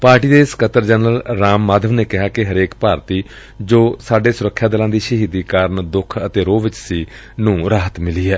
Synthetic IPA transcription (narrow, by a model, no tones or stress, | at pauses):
paːɾʈiːd̪eːɪskət̪əɾd͡ʒɛːnɾəlɾaːmːaːd̪əʋneːkɪɦaːkɪɦəɾeːkpaːɾt̪iː | d͡ʒoːsaːɖeːsʊɾəkʰːjaːd̪ɪlãːd̪iːʃəɦiːd̪iːkaːɾəɳd̪ʊkʰət̪eːɾoːʋɪt͡ʃsiː | nũːɾaːɦət̪mɪliːɦɛː